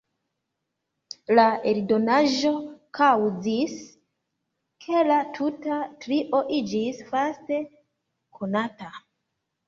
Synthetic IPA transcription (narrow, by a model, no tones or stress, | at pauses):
laeldo̞naʒo̞kʰawzis | kʰe̞latʰutatɾiʔo̞ʔid͡ʒisfaste̞ | kʰo̞nata